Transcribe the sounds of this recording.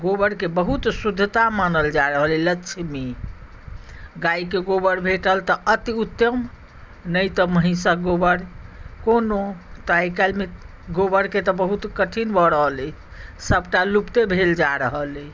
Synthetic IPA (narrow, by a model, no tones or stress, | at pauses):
ɡobəɾkebəɦut̪sud̪ʱːət̪amanəld͡ʒaɾəɦəlilətːʃʰme | ɡaikeɡobəɾbʱeʈəlt̪ɔət̪iut̪əm | nəjt̪ɔməɦĩsaɡobəɾkonot̪aikalme | ɡobəɾket̪ɔbəɦut̪kəʈʰinbʱɔɾəɦəle | səbʈalupt̪ebʱeld͡ʒaɾəɦəle